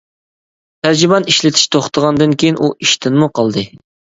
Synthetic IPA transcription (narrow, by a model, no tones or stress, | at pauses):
t̪ʰæɾd͡ʒibɑniʃlɪt̪ʰɪ̥ʃt̪ʰoχt̪ʰəʁɑnd̪ɨnkʲʰejinʔuʔiʃt̪ʰɪnmuqʰɑlˠd̪ɨ